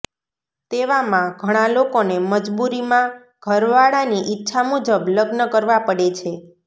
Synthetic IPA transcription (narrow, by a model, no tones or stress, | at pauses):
t̪eʋamãɡʱəɽ̃ãlokoneməd͡ʒbuɾimã | ɡ̥ʱəɾʋaɭaniʔɪtːʃʰamud͡ʒəbləɡnəkəɾʋapəɽet͡ʃʰe